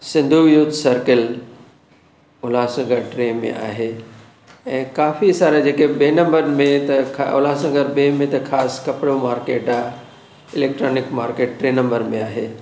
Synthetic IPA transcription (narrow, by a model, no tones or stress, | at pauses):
sɪ̃nd̪ʱuʋijuːt̪sɐɾkəl | ʊlaːsɐ̃ŋɡʱəɾʈɾeːmḛ̃ʔa̰ːɦe | ɛ̃ːkaːfisaːɾad͡ʑeːkeɓeːnɐ̃mbəɾmẽt̪ɐkʰʊ̰laːsɐ̃ŋɡəɾɓeːmẽt̪ɐkʰaːskɐpɪɽomaːɾkeːʈaː | ɪleːk̚ʈɾoːnɪkmaːɾkeːʈ̚ʈɾeːnɐ̃mbəɾmẽaːɦeː